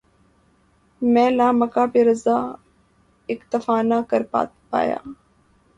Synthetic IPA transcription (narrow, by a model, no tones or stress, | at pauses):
mɛ̃ːlaːməkaːpeːɾəzaː | ɪkt̪əfaːnaːkəɾa̰ː | pa̰ːja̰ː